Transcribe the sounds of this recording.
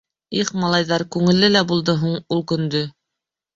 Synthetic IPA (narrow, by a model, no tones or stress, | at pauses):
iχmɑlˠɑjðɑɾkʉŋɘ̆lːɘlæbulˠd̪ɤɦuɴulˠkɵ̆nd̪ɵ